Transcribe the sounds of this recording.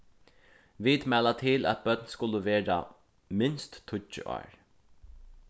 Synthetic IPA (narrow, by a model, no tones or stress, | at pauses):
ʋid̪mæːlat̪ʰɪlæ̰t̪̚bœt̪nskʊlːəʋeːɹa̰ | mɪnst̪ʰːʊt͡ʃːə̰ʔɔ̰ːɹ